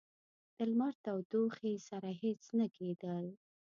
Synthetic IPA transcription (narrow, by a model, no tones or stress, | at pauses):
d̪̥əlmɑɾt̪awd̪oxesaɾaɦet͡snakʰed̪əl